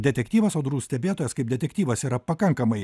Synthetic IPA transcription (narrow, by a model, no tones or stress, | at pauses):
d̪ʲɛt̪ʲɛkt̪ʲiːʋɐsɐːd̪ɾuːsʲt̪ʲɛbʲeːt̪oːjɛskɐɪp̚d̪ʲɛt̪ʲɛkt̪ʲiːʋɐsiːɾɐpɐkɐŋkɐmɐɪ